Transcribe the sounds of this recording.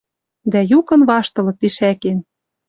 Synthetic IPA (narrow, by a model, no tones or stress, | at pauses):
d̪æjukɤ̆nβɑʃt̪ɤ̆lɤ̆t̪iʃæken